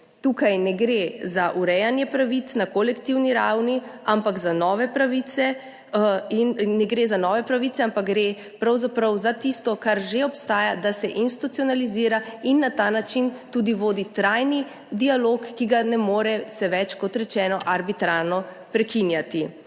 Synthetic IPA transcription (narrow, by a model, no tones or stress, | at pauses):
t̪ukajnɛɡɾezaʔuɾɛjanjɛpɾaʋit̪snakɔlɛkt̪iwniɾawniampaɡzanɔːʋɛpɾaʋit̪sɛ | inːɛɡɾezanɔːʋɛpɾaʋit̪ɛampaɡɡɾe | pɾawzapɾɐwzat̪ist̪ɔkaɾʒeɔpst̪aːjad̪asɛʔinst̪i̥t̪ut̪siɔnaliziːɾainːat̪aːnat͡ʃint̪uːd̪iʋoːd̪it̪ɾajni | d̪ialoːkːiɡanɛmoːɾɛsɛʋɛt͡ʃkɔt̪ɾɛt͡ʃɛːnɔʔaɾbit̪ɾaːɾnɔ | pɾɛkinjat̪i